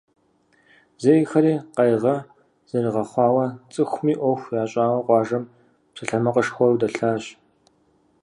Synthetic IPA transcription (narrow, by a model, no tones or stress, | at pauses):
zejɪxɐɾiːqɐjʁɐ | z̥ɐrɨʁɐχʷɑːwɐt͡sʼɨxʷmiːʔʷɔxʷjaːɕʼaːwɐqʷɑːʒɐm | psɐɬɐmɐqʼəʂxʷɔrwdɐɬaːɕ